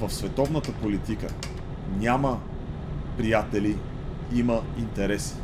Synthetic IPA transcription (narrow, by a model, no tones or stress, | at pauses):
vəfsvɛt̪ɔvnət̪əpolit̪ikə̰ | nʲamə | pɾijat̪ɛli | iməint̪ɛɾɛs